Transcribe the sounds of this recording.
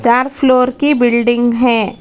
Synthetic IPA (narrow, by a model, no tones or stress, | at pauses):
t͡ʃaːɾpʰloːɾkibɪlɖɪ̃ŋɡɦɛ̃ː